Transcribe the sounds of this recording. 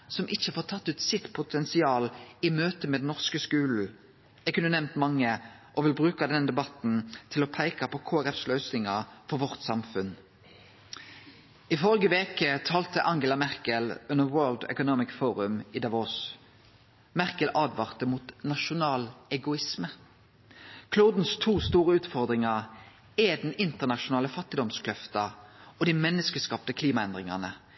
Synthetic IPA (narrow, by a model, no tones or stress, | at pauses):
sɔmʔɪçəfoːʁt̪ʰɑt̪ːʉːt̪sɪt̪pʰʊt̪ʰɛnsɪɑːlɪmøːt̪əmɛːd̪ɛnnɔʁskəskʉːln̩ | ɛɡkʉnːənɛmnt̪mɑŋːəʔɔʋɪlbʁʉːkɑd̪ɛnd̪ɛbɑt̪n̩t̪ʰɪlɔːpʰæɪkɑpʰɔkʰoːæʁɛfslœʉsnɪŋɑfɔʁʋɔʁt̪sɑmfʉn | ɪfœlɡəʋeːkət̪ʰɑːlt̪əʔɑŋɡəlɑmæʁkəlʉnəʁwɜːld̪ɛ̰kʊnɔmɪkfoːʁʉmiːd̪ɑʋoːs | mæʁkəlʔɑːd̪ʋɑʁt̪əmuːt̪nɑʃʊnɑːlɛɡʊɪsmə | kʰluːd̪n̩st̪ʰuːst̪uːʁəʉːt̪fɔʁd̪ʁɪŋɑʁ | ɛd̪ɛnɪnt̪əʁnɑʃʊnɑːləfɑt̪ːɪd̪ɔmskʰlœft̪ɑɔd̪imɛnːəskəskɑːpt̪əkʰliːmɑɛnd̪ʁɪŋɑnə